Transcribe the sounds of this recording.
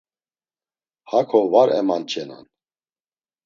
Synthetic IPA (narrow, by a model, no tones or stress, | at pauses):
hakʰɔvaɾɛmant͡ʃʰɛna̰n